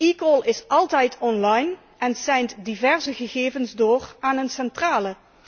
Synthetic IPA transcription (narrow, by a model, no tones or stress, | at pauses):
ikɔlˠɪsʔɑlˠtɛjtʰɔnlɑjn | ʔɛnsɛjntdivɛrzəɣəɣeːvənzdoːraːnənsɛntraːlə